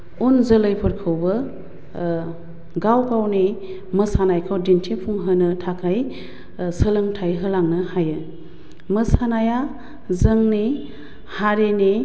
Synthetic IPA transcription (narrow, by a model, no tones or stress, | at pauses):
unzələjpʰɯɾkʰɯwbɐ | ɡawkawni | məsanajkʰawdintʰepʰuŋɦɯnɯtʰakʰaj | səlɯŋtʰajɦɯlaŋnɯhajɯ | məsanaja | zəŋni | haɾeni